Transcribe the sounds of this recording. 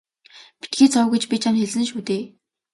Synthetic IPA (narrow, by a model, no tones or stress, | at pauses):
pi̥t̪̚ɡeːt͡sʰɔwɡĕt͡ɕpʲit͡ɕʰanxeɮɘ̆nʃuːt̪eː